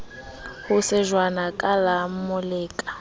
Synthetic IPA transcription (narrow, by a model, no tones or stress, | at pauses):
hʊsɪʒwanakʼalam̩mʊleːkʼḁ